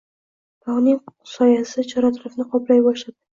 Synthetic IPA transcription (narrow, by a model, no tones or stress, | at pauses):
p̪ʰɒʁnɪŋsɒjasɪt͡ʃʰɒɾat̪ʰʊɾɪfnɪqʰɒplajbɒʃlad̪ɪ